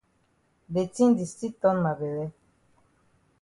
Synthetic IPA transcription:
be˨ti˦n˦di˨sti˦tɔ˦nma˨be˨wɛ˦

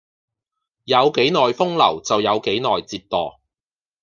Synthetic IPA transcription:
jɐ˨˧wke˨˥jnɔː˨jfʊ˥ŋlɐ̰˨˩wt͡sɐ˨wjɐ˨˧wke˨˥jnɔː˨jt͡siː˧t̚t̪ɔː˨

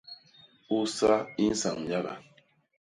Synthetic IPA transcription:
u˦sa˦i˦n̩˦sa̰˨ŋ˨ja˦ɣa̰˨

